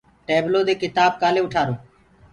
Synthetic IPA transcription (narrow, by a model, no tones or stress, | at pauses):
ʈeːbloːd̪eːkɪt̪aːb̚kaːleːʊʈʰaːɾoː